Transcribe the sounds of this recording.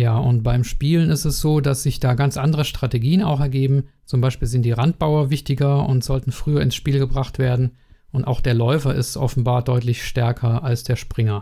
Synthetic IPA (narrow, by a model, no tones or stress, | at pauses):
jaːʔʊnt̚b̥aɪmʃpiːlənɪstɛsz̥oːdasz̥ɪçd̥aːɡant͡sʔandəʁ̞əʃtʁ̥ateɡiːəna̰ʊxɛɐɡeːbm̩t͡sʊmbaɪʃpiːlzɪntd̥iːʁant̚b̥aʊɐvɪçtɪɡɐʊ̰ntz̥ɔltn̩fʁ̥yːɐɪnsʃpiːlɡəbʁaχtv̥eːɐdn̩ | ʔʊnta̰ʊxd̥eːɐlɔʏfɐɪstʔɔfn̩baːɐdɔʏtlɪçʃtɛɐkʰɐalsd̥eːɐʃpʁ̥ɪŋɐ